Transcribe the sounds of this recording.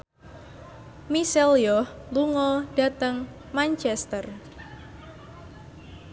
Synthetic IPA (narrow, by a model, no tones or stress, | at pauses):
misɛljɔh | luŋɔɖ̥a̤t̪əŋ | mant͡ʃɛst̪ər